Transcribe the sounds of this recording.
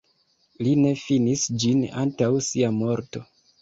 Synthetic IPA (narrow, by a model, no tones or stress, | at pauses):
line̞finisd͡ʒina̰ntawsiamo̞ɾto̞